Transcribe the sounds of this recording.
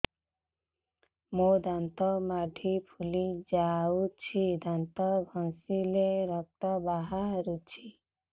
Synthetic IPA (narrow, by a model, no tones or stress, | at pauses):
mod̪ant̪ɔmaɖʱipʰulid͡ʒaut͡ʃʰid̪ant̪ɔbʱɔŋsileɾɔk̚t̪ɔbaɦaɦɾut͡ʃʰi